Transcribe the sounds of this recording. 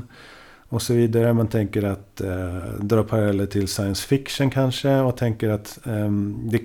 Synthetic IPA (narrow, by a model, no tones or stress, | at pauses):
ɔsɔviːd̪aɾəmant̪ʰɛŋkəɾat̪ | d̪ɾɑːpʰaɾalɛlːəʈʰɪlsajənsfɪkʂənkʰanʂəɔt̪ʰɛŋkəɾat̪ | d̪ɛ